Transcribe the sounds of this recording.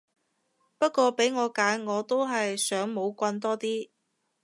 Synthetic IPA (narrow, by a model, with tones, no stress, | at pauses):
pɐ˥t̚kʷɔː˧pe˨˥jŋɔː˨˧kaː˨˥nŋɔː˨˧t̪o˥wɦɐ˨jsœː˨˥ŋmo˨˧wkʷɐ˧nt̪ɔː˥t̪iː˥